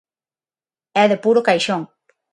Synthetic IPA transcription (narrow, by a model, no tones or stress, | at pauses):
ɛðepuɾokajʃoŋ